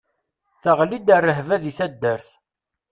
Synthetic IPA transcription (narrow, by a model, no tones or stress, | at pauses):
θəʁlid̪ərːəɦvæðiθæd̪ːəɾθ